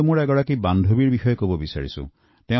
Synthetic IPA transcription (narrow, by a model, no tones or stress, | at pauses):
muɹɛɡɔɹakibandʱobiɹbixɔjɔkobɔbisa̰ɹisṵ̃ | tɛ̃